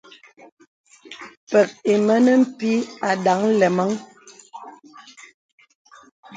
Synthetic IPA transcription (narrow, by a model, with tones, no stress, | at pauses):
pɛ˨k̚e˨mə˦nə˦m̩˦pi˦a˨da˨˦ŋlɛ˨ma˦ŋ